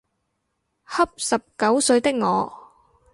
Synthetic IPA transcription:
hɐ˥p̚sɐ˨p̚kɐ˨˥wsɵ˨˧ɥt̪ɪ˥k̚ŋɔː˨˧

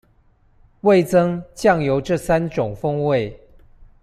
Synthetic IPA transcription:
we˥˨˩ɪt͡sɤ˥ŋt͡ɕjɑ˥˩ŋjo˧˥ʊʈ͡ʂɤ˥˨sa˦nʈ͡ʂʊ˨˩ŋfɤ˥ŋwe˥˨ɪ

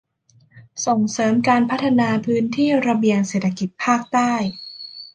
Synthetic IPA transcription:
so˨˩ŋsɤː˩˦mkaː˧npʰa˦˥t̪ʰːa˧naː˧pʰɯː˦˥nt̪ʰiː˥˩ɾa˧bi˧əŋseː˨˩t̪ʰːa˧ki˨˩t̪̚pʰaː˥˩k̚t̪aː˥˩j

